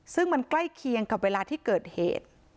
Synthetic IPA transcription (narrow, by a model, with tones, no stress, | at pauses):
sɯ˥˩ŋma˧nkla˥˩jkʰi˧əŋka˨˩p̚weː˧laː˧t̪ʰiː˥˩kɤː˨˩t̪̚hḛː˨˩t̪̚